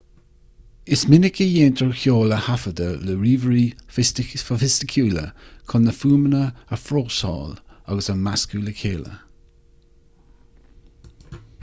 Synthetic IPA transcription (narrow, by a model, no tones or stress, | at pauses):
ɪsmɪnɪkʰəjeːnt̪ʰəɹxjoːləhafəd̪ələɹiːvəɹiː | əfɪstɪkʰuːlə̰kʰʊnəfuːmənəəfɹoːsɔ̰ːlaɡəsəmaskuːləkʰeːlə̰